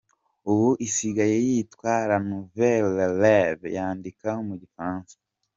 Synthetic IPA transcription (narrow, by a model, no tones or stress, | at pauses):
uwuʔisiɡajejitwaːɾanuvelevjaːndikaomuɟifaːnsḁ